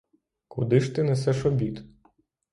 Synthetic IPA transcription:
kʊd̪ɪʃt̪ɪnɛsɛʃɔbʲit̪

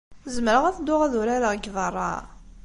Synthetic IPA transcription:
zəməɾəʁæθd̪ːʊʁæðuɾæləʁɡðˤərˤːɑ̰

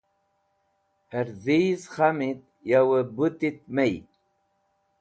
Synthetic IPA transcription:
heɾziːzxamit̪ | jawəbut̪it̪̚mej

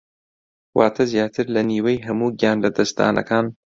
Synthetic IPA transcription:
waːt̪ʰɐzjaːt̪ʰɨɾlɐniːwejɦɐmuːɡijaːnlɐd̪ɐsd̪a̰ːnʔɐ̰kʰaːn

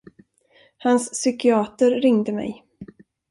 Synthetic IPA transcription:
hansːʏkɪɑːt̪əɾɾɪŋd̪əmɛ̰j

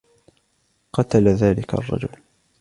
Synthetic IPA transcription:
qɑt̪alaðaːlɪkʰa̰rˤːɑ̰d͡ʒʊl

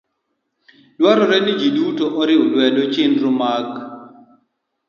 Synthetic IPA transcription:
lwaɾɔɾɛnɪd͡ʒidutɔʔɔɾɪʊlwɛlɔt͡ʃɪnɾʊmak

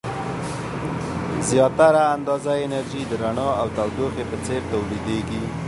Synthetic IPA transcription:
zjɑt̪aɾaːnd̪ɑzaɪnaɾʒid̪əɾaɳɑawt̪awd̪oqepət͡seɾt̪awlid̪eɡi

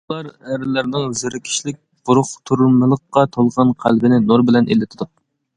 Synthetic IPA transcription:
lˠɑɾæɾlæɾnɪŋzyɾɪkʲʰi̥ʃlɪk̚ʲb̥uɾʊχt̪ʰuɾmɨlˠəqːɑt̪ʰolˠʁɑnqʰæ̰lbɪnɪnoɾbɪlɛnʔḛlːɪt̪ʰɪd̪u

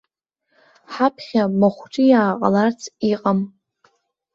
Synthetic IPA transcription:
ħapʰχʲamaχʷʈ͡ʂʼijaːqʼa̰lart͡sʰiqʼam

